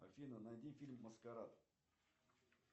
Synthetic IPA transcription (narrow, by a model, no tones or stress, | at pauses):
ɐ̰fʲinənad̪ʲinfʲilʲmːəskaɾat̪